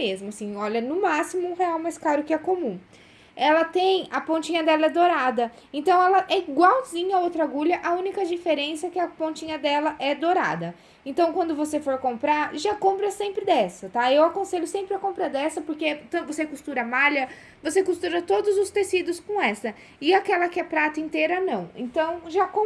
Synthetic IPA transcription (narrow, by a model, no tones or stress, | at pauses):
mezmʊasĩɔʎɐnʊmasimʊũɦeawmajskaɾʊkɪɛkomũ | ɛlɐt̪ẽj̃ɐpõt͡ʃĩɲɐd̪ɛlɐɛd̪oɾad̪ɐ | ẽnt̪ɐ̃w̃ɛlɐʔɛiɡwawzĩɲɐowt̪ɾaɡuʎɐʔɐũnikɐd͡ʒifeɾẽsɐɛkɪɐpõt͡ʃĩɲɐd̪ɛlɐʔɛd̪oɾa̰d̪ɐ | ẽnt̪ɐ̃w̃kwɐ̃nd̪ʊvosefoɾkõmpɾaɾʒakõmpɾɐsẽmpɾɪd̪ɛsɐt̪aewakõseʎʊsẽmpɾɪɐkõmpɾɐd̪ɛsɐpoɾket̪vosekust̪uɾɐmaʎjɐ | vosekust̪uɾɐt̪od̪ʊzʊst̪esid̪ʊskõɛsɐ | ɪakɛlɐkɪɛpɾat̪ɐẽnt̪eɾɐnɐ̃w̃ḛ̃nt̪ɐ̃w̃ʒakõ